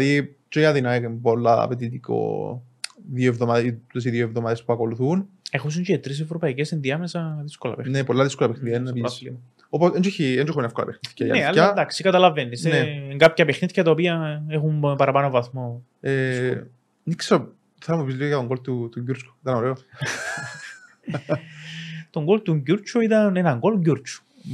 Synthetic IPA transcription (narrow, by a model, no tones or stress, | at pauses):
ði | t͡ʃoiɐðinɐkempolːɐɐ̰pet̪̬it̪iko̰ | ðjoevðomaðt̪es̬iðjoevðomaðespuɐko̞luθun | exuns̬iɲt͡ʃet̪ɾis̬evɾopɐicesenðiɐmesɐðiskolɐ̰pexnepolːɐðiskolɐpexniðijenːpl | oposend͡ʒoçiend͡ʒoxuminefkolɐ̰pexniθcɐjɐ̰neɐlːɐd̪ɐksikɐt̪ɐlɐvenːiseneŋɡɐpçɐpexniθçɐt̪ɐopiɐexumpɐɾɐpɐnovɐθmo̞ | e | nikseɾo | θeɾɐmuepizliɣojɐt̪oŋɡolt̪ut̪uɲɟuɾt͡ʃku̥it̪ɐnoɾeo | t̪oŋɡolt̪uɲɟuɾt͡ʃʰuit̪ɐnenɐŋɡo̞lɲɟuɾt͡ʃu̥